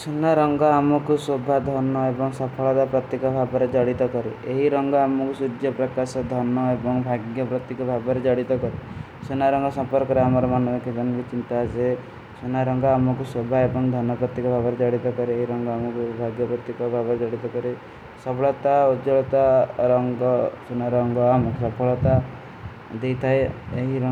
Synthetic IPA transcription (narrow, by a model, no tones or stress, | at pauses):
sunaɾɔŋɡɔamɔkusobʱad̪ʱɔnɔebɔŋsapʰɔɭɔt̪apɾɔt̪ːekɔbʱabɔɾed͡ʒaɽit̪ɔkɔɾeeɦiɾɔŋɡɔamɔkusud͡ʒjɔpɾɔkasɔd̪ʱɔnɔebɔŋbʱaɡjɔpɾɔt̪ːikɔbʱabɔɾed͡ʒaɽit̪ɔkɔɾi | sunaɾɔŋɡɔsɔmpɔɾkɔɾeamɔɾɔmanɔbɔkid͡ʒɔnkit͡ʃint̪ase | sunaɾɔŋɡɔamɔk̬usobʱaebɔŋd̪ʱɔnɔpɾɔt̪ːikɔbʱabɔɾed͡ʒaɽit̪ɔkɔɾeeɦiɾɔŋɡɔamɔkubʱaɡjɔpɾɔt̪ikɔbʱabɔɾed͡ʒaɽit̪ɔkɔɾe | sɔpɔɭɔt̪aod͡ʒɔɭɔt̪aɾɔŋɡɔsunaɾɔŋɡɔamɔkʰɾɔpʰɔɭɔt̪a | d̪ejt̪ʰaeeɦiɾɔ